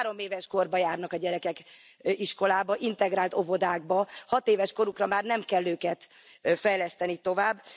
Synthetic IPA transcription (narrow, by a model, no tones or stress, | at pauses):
ɾo̞meːvɛʃko̞rbɒjaːrnɒkɒɟɛɾɛkɛk | iʃko̞laːbɒʔint̪ɛɡɾaːlt̪o̞vo̞d̪aːɡ̚bɒhɒt̪eːvɛʃko̞ɾukrɒmaːrnɛmkɛlːøːkɛt̪ | fɛjlɛst̪ɛnit̪o̞vaːbː